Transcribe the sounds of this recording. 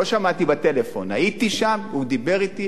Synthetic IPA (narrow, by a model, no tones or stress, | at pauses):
oʃamat̪ibat̪e̞lefo̞̰nait̪iʃamud̪ibe̞ʁit̪i